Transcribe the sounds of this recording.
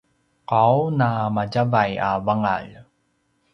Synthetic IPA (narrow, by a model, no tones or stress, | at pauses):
qawnamaɟavaja̰vaŋa̰ɭ